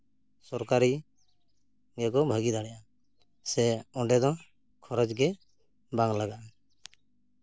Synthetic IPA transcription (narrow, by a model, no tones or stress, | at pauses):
sɔɾkaɾi | ɡɛkɔbʱəɡid̪aɽ̃ɛja | sɛɔɖɛd̪ɔ̃ | kʰɔɾɔd͡ʒɡɛ | baŋlaɡaʔ